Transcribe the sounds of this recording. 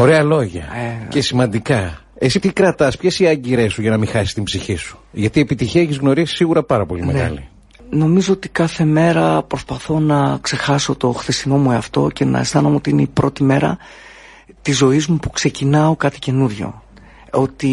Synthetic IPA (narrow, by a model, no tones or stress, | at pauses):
o̞ɾe̞ɐlo̞ʝɐ̰cesimɐnd̪ikɐ | e̞sipt̪ikɾɐt̪ɐspçesiɐɲɟiɾe̞suʝɐnɐmixɐsi̥st̪imbziçisu̥ʝɐt̪iepit̪içiɐeçizɣno̞ɾisi̥siɣuɾɐpɐɾɐpo̞limeɣɐ̰lḭ | no̞mizo̞ot̪i̥kɐθe̞me̞ɾɐpɾo̞spɐθo̞nɐkse̞xɐso̞t̪o̞xθist̪ino̞mue̞ɐft̪o̞̰ce̞nɐ̰est̪ɐnomeo̞t̪iineipɾo̞t̪ime̞ɾɐ̰ | t̪izo̞izmupu̥kse̞cinɐo̞kɐt̪i̥ce̞nuɾʝo̞̰ | o̞t̪i